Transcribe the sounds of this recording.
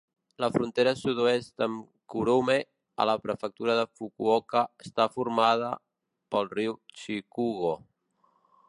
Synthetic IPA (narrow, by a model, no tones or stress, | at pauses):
ləfɾunt̪eɾəsuðuest̪əm | kuɾume | ə̰ləpɾəfək̚t̪uɾəðəfukuokəəst̪afurmað̞ə | pəlˠriwt͡ʃikuɣo